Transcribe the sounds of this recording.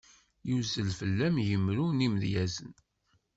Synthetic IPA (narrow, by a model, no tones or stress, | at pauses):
juzəlfəlːæmjəmɾunimðjæzən